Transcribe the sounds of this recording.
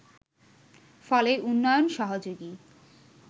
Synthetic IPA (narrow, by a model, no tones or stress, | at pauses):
fɔleʔunːɔjonʃɔɦod͡ʑoɡi